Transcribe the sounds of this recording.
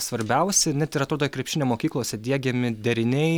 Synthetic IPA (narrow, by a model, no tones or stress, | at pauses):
sʋɐɾʲbʲɛʊsʲɛnʲɛt̪ɪɾɐt̪ɾoːd̪oːkɾʲɛpʲʃʲɪnʲeːmoːkʲiːklˠoːsʲɛd̪ʲiɛɡʲɛmʲɪd̪ʲɛɾʲɪnʲɛɪ